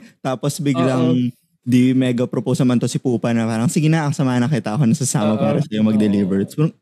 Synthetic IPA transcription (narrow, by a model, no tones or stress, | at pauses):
t̪aːposbɪɡlɐŋ | d̪imɛːɡɐpɾoposɐmɐnt̪o̞sɪpuːpɐnɐpaːɾɐŋsɪɡɪnaʔsɐmaːhɐnɐŋkɐijt̪ɐʔɐko̞nɐsɐsaːmɐpaːɾɐsɐjomɐɡ̚d̪ɛliːvɛɹt̪̚sb